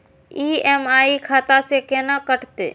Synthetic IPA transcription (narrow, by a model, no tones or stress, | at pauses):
iːɛːmaːikʰaːt̪asekeːnakəʈʰt̪ḛː